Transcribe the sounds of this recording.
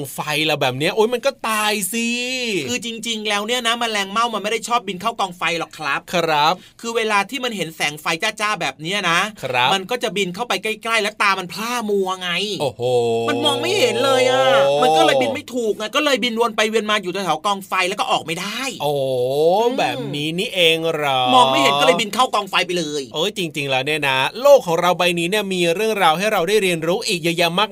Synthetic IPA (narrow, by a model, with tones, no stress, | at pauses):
ŋfa˧jlɛ˨˩bɛː˨˩p̚ni˦˥ɐʔoː˨˦˥jma˧nkɔː˥˩t̪aː˧jsi˧ɯː˧t͡ɕi˧ŋt͡ɕi˧ŋlɛː˦˥wni˥˩na˦˥ma˧nlɛː˧ŋma˥˩wma˧nma˥˩jda˥˩t͡ɕʰɔː˥˩p̚bi˧nkʰa˥˩wkɔː˧ŋfa˧jlɔ˨˩kʰɾa˦˥p̚ʰɾa˦˥p̚kʰɯː˧weː˧laː˧t̪ʰiː˥˩ma˧nɦe˩˦nsɛː˩˦ŋfa˧jt͡ɕaː˥˩t͡ɕaː˥˩bɛː˨˩p̚niː˦˥ɐna˦˥ɾma˧nkɔː˥˩t͡ɕa˨˩bi˧nkʰa˥˩wpa˧jka˥˩jkla˥˩jlɛː˦˥wt̪aː˧ma˧npʰlaː˥˩muː˧ʔa˧ŋa˧jʔoː˧ho˧˩ma˧nmɔː˧ŋma˥˩jhe˨˦nlɤː˧jʔaː˨˩ma˧kɔ˥˩lɤː˧˩bi˧nma˥˩jt̪ʰuː˨˩k̚ŋa˧˩kɔː˥˩lɤː˧jbi˧nwu˧ənpa˧jwi˧ənmaː˧juː˨˩t̪ɔ˧t̪ʰːwkɔː˧ŋfa˧jlɛ˦˥wkɔː˥˩ʔɔː˨˩k̚ma˥˩jdaː˥˩jʔoː˨˩bɛː˨˩p̚niː˦˥niː˦˥˩ʔeː˧ŋɾɔ˦mɔː˧ma˥˩jhe˨˦˥lɤː˧jbi˧nkʰa˥˩wkɔː˧ŋfa˧jpa˧jlɤː˧jʔɤː˧˥˩jt͡ɕi˧ŋt͡ɕi˧ŋlɛː˦˥wniː˥˩ɐna˦˥loː˥˩kʰːɔː˩˦ŋɾa˧wba˧jniː˦˥ni˥˩ɐmiː˧ɾɯ˥˩əŋɾaː˧wɦa˥˩jɾa˧wdaː˥˩jɾi˧ənɾuː˦˥ʔiː˨˩k̚jaː˧ja˧maː˥˩k̚